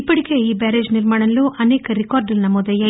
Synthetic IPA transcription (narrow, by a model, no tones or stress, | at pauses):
ipːɐɽiɡeiːbaːɾeːd͡ʒniɾmaːɳɐluʔɐneːkɐɾikaːɾɖɐlnɐmɔd̪ɐjɐ